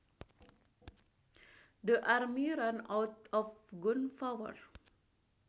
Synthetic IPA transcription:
dəʔaɾmiɾanawt̪ɔfɡunfawə̰ɹ

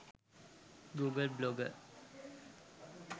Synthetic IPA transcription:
ɡuɡəlblɔɡəɾ

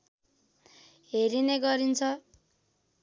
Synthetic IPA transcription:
ɦeɾineɡʌɾint͡sʰʌ

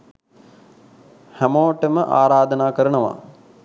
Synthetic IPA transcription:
hæmoːʈəməʔaːɾaːd̪ənaːkəɾənəʋa̰

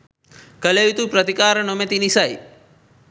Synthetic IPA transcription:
kɐlejit̪upɾɐt̪ikaːɾɐnomet̪inisɐj

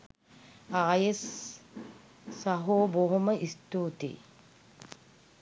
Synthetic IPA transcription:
aːjes | aɦoːboɦuməʔist̪uːt̪ḭː

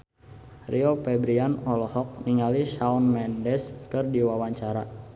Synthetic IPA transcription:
rʔiopɛbɾianɔlɔhɔk̚niŋaliʃaunmɛndɛskɨrdiwawaɲt͡ʃaɾa

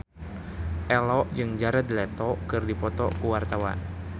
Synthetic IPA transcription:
ʔɛlɔʔd͡ʒɨŋd͡ʒaɾad̪ilɛt̪ɔkɨrdipɔt̪ɔ̰kuwart̪awa̰n

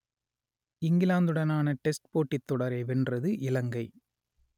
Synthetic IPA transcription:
ɪŋɡɪlaːnd̪ɯɽɐnaːnɐʈɛsʈ̚poːʈːɪt̪ːɔɽɐɾeɪʋɛndrɐðɯʔɪlɐŋɡɐɪ

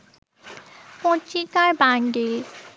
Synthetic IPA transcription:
pɔ̃t͡ʃːikaɾbaŋɖel

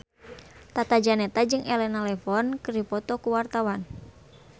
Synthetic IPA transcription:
t̪at̪ad͡ʒanɛt̪ad͡ʒɨŋʔɛlɛnalɛfɔnkɨripɔt̪ɔkuwart̪awan

